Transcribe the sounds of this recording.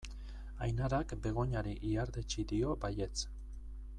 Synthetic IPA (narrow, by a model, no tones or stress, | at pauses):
ajnaɾakbe̞ɣ̞o̞ɲaɾiʔiaɾd̪et͡ʃid̪io̞baje̞t͡s